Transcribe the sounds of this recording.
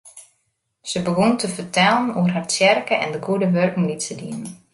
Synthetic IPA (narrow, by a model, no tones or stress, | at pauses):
səbəɡuntəfərtʰɛlˠənuərɦart͡sjɛrkəʔɛ̰ndəɡuədəʋørkŋlitsədiən